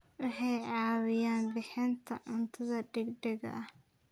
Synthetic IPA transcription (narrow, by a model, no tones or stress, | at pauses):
wʊħɛjʕɑːwɪjaːnbɪħɪnt̪ʰɐ̰ʕʊnt̪ʰɐðɐɖɛɡɖɛɡɐ̰ʔɐ